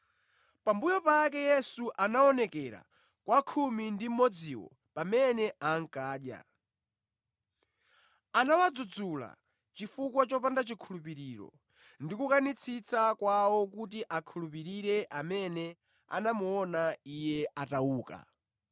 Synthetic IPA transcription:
pambujɔpakɛjɛsuʔanaɔnɛkɛɾa̰ | kwakʰumindim̩mɔd͡ziwɔ̰ | pamɛnɛʔaŋ̩kaːɗja̰ | anawad͡zud͡zula̰ | t͡ʃifukwat͡ʃɔpandat͡ʃikʰulupiɾiːɾɔ̰ | ndikukanit͡sʰit͡sakwawɔk̬ut̬iʔakʰulup̬iɾiɾɛʔamɛnɛ | a̰namuɔnaijɛʔatauːka̰

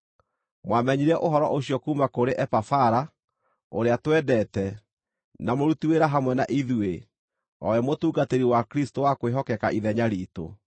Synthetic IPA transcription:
mwamɛɲiɾɛʔoɦɔɾɔʔoɕiɔkuːmakoɾeʔɛpafaɾa | oɾeatwɛdɛːtɛ | namoɾutiweɾaɦamwɛna̰ʔiðue | ɔ̰wɛmotuːɡateɾiwakɾistowakweɦɔkɛkaʔiðɛɲaɾiːto̰

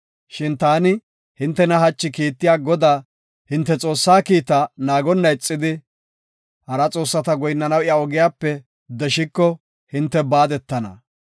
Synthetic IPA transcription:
ʃɪnt̪aːnɪ | hɪnt̪ːɛnɐɦɐt͡ʃːɪkiːt̪ːɪjaːɡɔd̪aː | hɪnt̪ːɛt͡sʼo̞ːsːaːkiːt̪ɐnaːɡɔnːɐɪt͡sʼːɪd̪ɪ | hɐɾɐt͡sʼo̞ːsːɐt̪ɐɡɔjnːɐnɐwɪjaɔɡɪjaːpːɛ | d̪ɛʃɪkːɔ | hɪnt̪ːɛbaːd̪ɛt̪ːɐnɐ̰

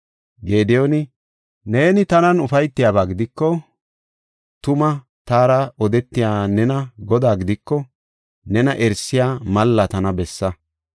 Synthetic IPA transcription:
ɡe̞ːd̪ɛjonɪ | ne̞ːnɪt̪ɐnɐnʊfɐjt̪ːɪjaːbaːɡɪd̪ɪkːɔ | t̪ʊmɐ | t̪aːɾɐɔd̪ɛt̪ːɪjaːnɛnɐɡɔd̪aːɡɪd̪ɪkːɔ | nɛnɐʔɛɾsːɪjaːmɐlːɐt̪ɐnɐbɛsːɐ

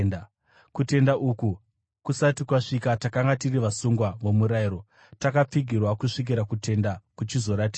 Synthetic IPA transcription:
n | kute̞ndaʔuːku | kusatikwaʂikatakaŋɡatiriʋasuŋɡwaʋo̞muɾaiɾo | takap͡fiɡʱirwakuʂik̬iɾakute̞ndakut͡ʃizo̞ɾatiːa

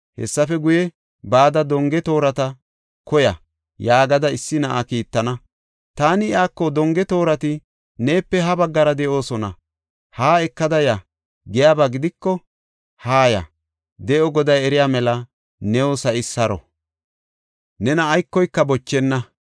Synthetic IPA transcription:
hɛ̰sːɐfɛɡʊjɛ | baːd̪ɐd̪ɔŋɡɛt̪o̞ːɾɐt̪ɐ | kɔjɐ̰ | jaːɡɐd̪ɐɪsːɪnɐʔakiːt̪ːɐnɐ | t̪aːnɪɪaːkːɔd̪ɔŋɡɛt̪o̞ːɾɐt̪ɪ | ne̞ːpːɛɦɐbɐɡːɐɾɐd̪ɛʔo̞ːsɔnɐ̰ | haːɛkːɐd̪ɐja | ɡɛjaːbaɡɪd̪ɪkːɔ | haːjɐ̰ | d̪ɛʔɔɡɔd̪ɐjɛɾɪjaːmɛlɐ | nɛwɔsɐʔɪsɐɾɔ̰ | nɛnɐːjkːɔjkːɐbɔt͡ʃːɛnːɐ

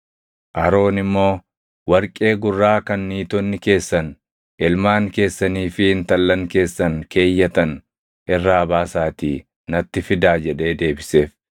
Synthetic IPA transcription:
ʔɐɾo̞ːnɪmːo̞ː | wɐɾkʼe̞ːɡʊrːaːkɐnːiːt̪ɔnːɪke̞ːsːɐn | ʔɪlmaːŋke̞ːsːɐniːfɪɪnt̪ɐlːɐŋke̞ːsːɐnkʰe̞ːjːɐt̪ɐn | ʔɪrːaːɐbaːsaːt̪iː | nɐt̪ːɪfɪd̪aːd͡ʒɛᶑe̞ːd̪e̞ːbɪse̞ːf

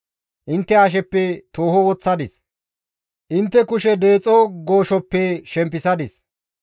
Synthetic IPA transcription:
ʔɪnt̪ːɛɐʃ̬ɛpːɛt̪o̞ːhɔwɔt͡sːɐd̪ɪs | ʔɪnt̪ːɛkʊʃɛd̪eːt͡sʼɔɡo̞ːʃɔpːɛʃɛmp̬ːɪsɐd̪ɪs

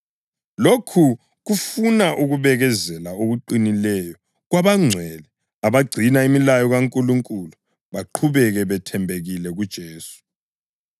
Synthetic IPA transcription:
lokʰu | ɣufunaʔuɣuβɛɣɛzɛlaoɣuǃinilɛjɔ | ɣwaβaŋ͡ǀʱwɛlɛ | aβaɡ͡ǀʱinaimilajɔɣaŋkʼuluŋkʼulu | βaǃʰuβɛɣɛβɛtʰɛmbʱeɣilɛɣud̥ʒ̥ʱeːsu̥

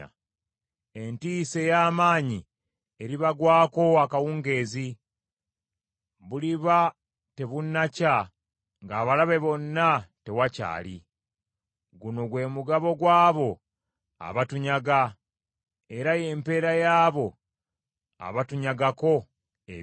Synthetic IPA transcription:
e̞ntiːse̞jaːmaːɲi | e̞ɾiβaɡwaːko̞akawuːŋɡe̞ːzi | βuliβa | te̞βunːaca | ŋɡaːβalaβe̞βo̞nːate̞waca̰ːlḭ | ɡuno̞ɡwe̞ːmuɡaβo̞ɡwaːβo̞ | a̰βatuɲaɡa | e̞ɾaje̞ːmpe̞ɾajaːβo̞ | a̰βatuɲaɡako̞ | e

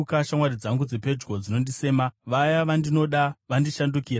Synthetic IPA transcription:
kaʃamwaɾid͡zaŋɡud͡zepe̞d͡ʒɡo̞d͡zino̞ndise̞ːmaʋajaʋandino̞ɗaʋandiʃandukiːra

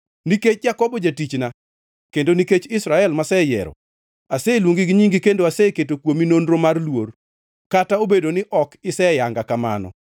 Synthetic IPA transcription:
niket͡ʃd͡ʒakɔbɔd͡ʒatit͡ʃna | kendoniket͡ʃɪsɾaɛlmasɛjɛ̰ɾɔ̰ | aselwoŋɡiɡɲiŋɡikendoaseketokwominondɾomarlwor | kataobedonɪʔɔkɪsɛjaŋɡakama̰nɔ̰

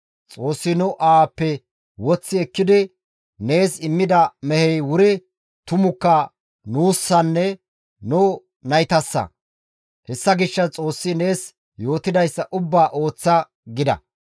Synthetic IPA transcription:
t͡sʼo̞ːsːɪnʊʔaːpːɛ | wɔt͡sːɪɛkːɪd̪ɪ | ne̞ːsɪmːɪd̪ɐmɛhɛjwʊɾɪ | t̪ʊmʊkːɐ | nuːsːɐnːɛ | nʊ | nɐjt̪ɐsːɐ̰ | hɛsːɐɡɪʃːɐt͡sʼo̞ːsːɪne̞ːs | jo̞ːt̪ɪd̪ɐjsːɐʔʊbːaːʔo̞ːt͡sːɐ | ɡɪd̪ɐ̰

